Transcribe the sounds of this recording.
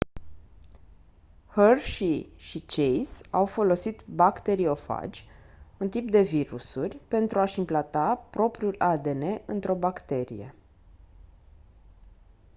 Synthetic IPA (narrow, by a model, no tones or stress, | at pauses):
hərʃiʃit͡ʃejsawfo̞lo̞sit̪bakt̪e̞ɾio̞fa̰d͡ʒʲ | unt̪ip̚d̪e̞viɾusurʲpe̞nt̪ɾuaʃimplat̪apɾo̞pɾiulad̪e̞ne̞ʔɨnt̪ɾo̞bakt̪e̞ɾḭje̞̰